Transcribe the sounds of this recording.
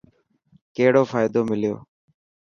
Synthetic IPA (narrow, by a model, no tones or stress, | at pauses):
keɦɽoːfaːɪd̪oːmɪljo̰ː